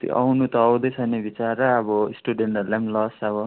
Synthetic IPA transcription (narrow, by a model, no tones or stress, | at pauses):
t̪jo̰ʔʌ̰wnut̪ʌːwd̪ʌt͡sʰʌjnebit͡saɾʌːbʌisʈuɖeɳʈʌlamlʌsʌbʌ